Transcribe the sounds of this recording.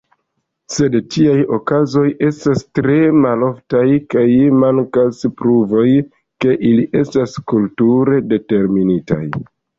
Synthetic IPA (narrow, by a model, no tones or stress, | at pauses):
se̞dtʰiajo̞kazo̞je̞stastɾe̞malo̞ftajkajmaŋkaspɾuvo̞j | ke̞ʔiliʔe̞staskultuɾe̞de̞te̞ɾminita̰j